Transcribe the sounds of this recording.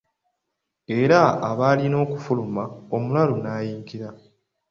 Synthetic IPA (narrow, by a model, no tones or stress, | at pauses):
e̞ɾaːβaːlino̞ːkufulumao̞mulalonaːjiːŋkiɾa